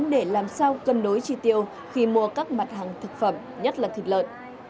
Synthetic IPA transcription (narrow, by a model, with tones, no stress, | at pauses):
nɗe˧˩laː˨˩msaː˧wkə˨˩nɗo˨˦jt͡ɕi˧t̪i˨˧˩əw | xi˧mu˧əkaː˦˥k̚ma˨˩t̚haː˨˩ŋt̪ʰɨ˨˩k̚fə˧˩m | ɲə˦˥t̚laː˨˩t̪ʰi˨˩k̚lə̰ː˧˨n